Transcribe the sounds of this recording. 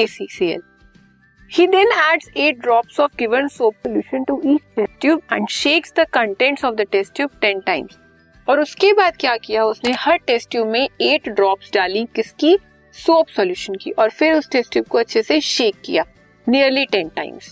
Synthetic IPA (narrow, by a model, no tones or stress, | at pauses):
eːsiːsiːɛ̰l | hiːd̪ɛ̃næːɖzeːʈ̚ɖɾɔːpsɔːʋɡɪʋə̃nsoːpsɔljuːʃə̃nʈuʔiːt͡ʃʈɛsʈjuːbɛ̰̃ːɳɖʃeːksd̪əkɐ̃ɳʈɛ̃ɳʈsɔːʋd̪əʈɛsʈjuːb̚ʈɛ̃nʈãɪ̃mz̥ | ɔːɾʊskebaːd̪̚kjaːkijaʊsnehɐɾʈɛsʈjuːmẽeːʈɖɾɔːpsɖaːlĩkɪski | soːpsɔljuːʃə̃nkḭʔɔːɾfɪɾʊsʈesʈjuːb̚koɐtːʃʰeseʃeːkːḭjaː | niəɾliʈɛ̃nʈã̰ɪ̃mz̥